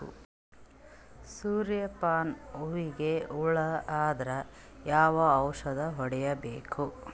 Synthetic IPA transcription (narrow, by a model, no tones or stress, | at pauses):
ṵ | suːɾjɐpaːnoʋiɡe̞uɭɐaːd̪ɾɐ | jaːʋɐːwʂɐd̪ɐɦɔɽɛjɐbeːkʰu